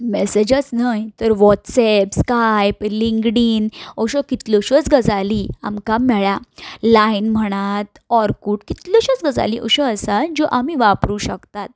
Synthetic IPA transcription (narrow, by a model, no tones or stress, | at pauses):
mɛsed͡ʑət͡snajt̪əɾʋɔʈsɛpskajpliŋɡɽiːnɔɕɔkit̪lɔɕət͡sɡəd͡zalia̰mkamɛɭalainm̤əɽ̃at̪ | ɔɾkuːʈkit̪lɔɕət͡sɡəd͡za̰liʔɔɕɔəsad͡ʑɔʔamiʋapɾuːɕəkt̪at̪̚